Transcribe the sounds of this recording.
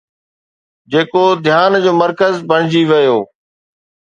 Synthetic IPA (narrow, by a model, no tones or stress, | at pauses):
d͡ʑeːkod̪ʱjaːnd͡ʑoːməɾkəzbɐɽ̤̃ɪd͡ʑiʋɐjoː